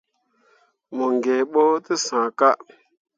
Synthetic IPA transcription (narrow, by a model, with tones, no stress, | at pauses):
mo˨ŋɡe˨ɓo˦tə˦sã˨ka˦ʔ